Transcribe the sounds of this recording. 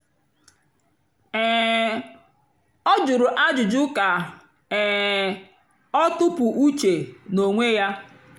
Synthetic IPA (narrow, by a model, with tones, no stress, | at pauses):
ɛː˨ | ɔ˦d͡ʒʊ˨ɾʊ˨ʔa˦d͡ʒʊ˨d͡ʒʊ˦ka˨ | ɛː˨ | ɔ˦tʊ˦pʊ˨ʔu˦t͡ʃe˨no˨ŋʷe˦ja˦